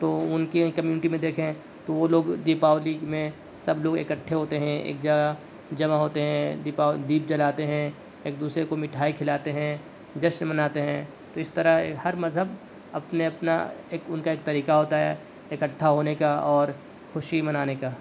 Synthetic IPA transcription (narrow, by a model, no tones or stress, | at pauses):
t̪oːʊnkikɐmjuːnɪʈimẽd̪eːkʰẽ | t̪oʋoloːɡd̪iːpaːʋlimẽ | sɐbloːɡekəʈʰːeɦoːt̪eɦɛ̃ḛːk̚d͡ʒɐɡa | d͡ʒɐmaɦoːt̪eɦɛ̃d̪ipaːd̪iːp̚d͡ʒɐlaːt̪eɦɛ̃ | eːk̚d̪uːsɾekomɪʈʰaːikʰɪlaːt̪eɦɛ̃ | d͡ʒɐʃnmɐnaːt̪eɦɛ̃ | t̪oɪst̪ɐɾəɦehɐɾmɐzɦəb | ɐpneɐpna̰eːkʊnkaeːk̚t̪ɐɾiːkaɦoːt̪aɦɛ | ekɐʈʰːaɦoːnekaɔːɾ | xʊʃimɐnaːnekaː